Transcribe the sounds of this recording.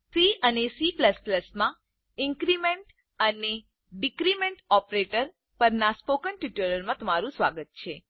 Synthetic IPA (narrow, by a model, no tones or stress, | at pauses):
siənesipləspləsmã | ɪŋkɾimeɳʈ | əne | ɖikɾimeɳʈɔpɾeʈəɾ | pəɾnaspokənʈiʈələɾmãt̪əmaɾũsʋa̰ɡət̪̚t͡ʃʰe